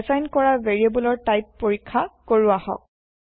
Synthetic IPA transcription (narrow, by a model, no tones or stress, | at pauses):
ɛzajnkɔɹaveɹiebulɔɹtajpːoɹikʰːakoɹuahɔ̰k̚